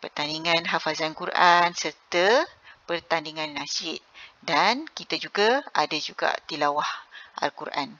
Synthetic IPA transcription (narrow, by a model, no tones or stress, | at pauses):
pərt̪andiŋãnɦafazankuɾʔansərt̪əpərt̪andiŋãnːãsɪʔ̪̚dankit̪ad͡ʒuɡaadad͡ʒuɡa̰ʔt̪ilawahʔa̰lkuɾʔa̰n